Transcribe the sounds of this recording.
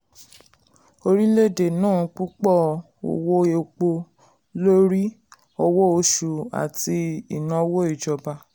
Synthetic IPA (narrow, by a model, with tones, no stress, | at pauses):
o˧ɾi˦le˦˨de˨nãː˦˨k͡pu˦k͡pɔ˦˨ | o̰˨wo˦e˨˧k͡po˧ | lo˦ɾi˦ | ɔ˧wɔ˦o˧ʃu˨a̰˨ti˧i˨nã˨˧wo˦i˦˨d͡ʒɔ˧ba˧